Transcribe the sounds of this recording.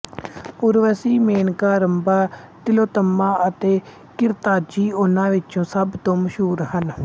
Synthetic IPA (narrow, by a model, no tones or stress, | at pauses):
ʊɾʋəsiːmeːnkaːɾəmbaː | t̪ɪloːt̪əmːãːət̪eː | kɪɾt̪aːd͡ʒiːʊnãːʋɪt͡ʃõːsəbt̪õːməʃɦuːɾhən